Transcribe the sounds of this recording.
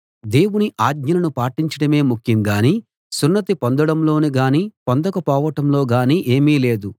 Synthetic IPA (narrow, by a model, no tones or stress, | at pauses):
d̪e̞ːwuniʔaːɡɲɐlɐnupaːʈiɲt͡ʃɐɽɐme̞ːmukʰjimɡaːniː | sunːɐt̪ipond̪ɐɽɐmlo̞ːniɡaːniːpɔnd̪ɐkɐpɔːʋɐʈɐmlo̞ːɡaːniʔe̞ːmiːle̞ːd̪u